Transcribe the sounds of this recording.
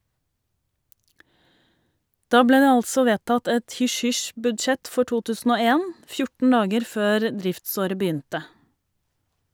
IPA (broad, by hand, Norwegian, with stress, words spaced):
ˈdɑː ˈbleː ˈdeː ˈɑlsɔ ˈʋeːtɑt ˈɛt ˌhʏʃˈhʏʃbʉdˌʃɛt ˈfɔ ˈʈuː ˈtʉːsn̩ ˈoː ˈeːn ˈfjʊʈɳ̩ ˈɑːɡəɾ ˈføːɾ ˈdɾɪftˌsoːɾə bəˈyːntə